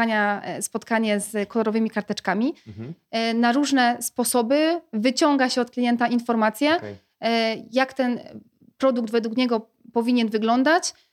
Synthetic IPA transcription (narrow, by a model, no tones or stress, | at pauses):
aɲaspɔt̪kaɲɛzkɔlɔɾɔvɘmʲikaɾt̪ɛt͡ʂkamʲi | naɾuʐnɛspɔsɔbɘvɘt͡ɕɔŋɡaɕɛɔt̪klʲijɛnt̪ainfɔɾmat̪sʲjɛ | jakt̪ɛn | pɾɔd̪uɡd̪vɛd̪wukɲɛɡɔ | pɔvʲiɲɛnvɘɡlɔnd̪at͡ɕ